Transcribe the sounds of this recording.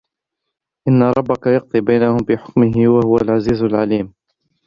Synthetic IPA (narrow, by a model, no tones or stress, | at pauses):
ʔɪnːaɾˤɑbːakajɑq̚t̪ˤibajnahʊmfiħʊ̥kmɪɦɪwahʊwalʕaziːzalʕaliːm